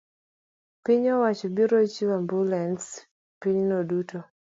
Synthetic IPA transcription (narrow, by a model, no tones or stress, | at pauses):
piɲɔwat͡ʃɔbiɾot͡ʃiwambulɛns | piɲnoduto